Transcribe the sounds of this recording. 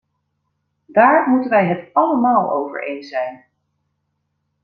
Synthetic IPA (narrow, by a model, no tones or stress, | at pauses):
daːɹmutənʋɛjɦətɑləmaːlˠo̰wvə̰ɹḛjnsɛjn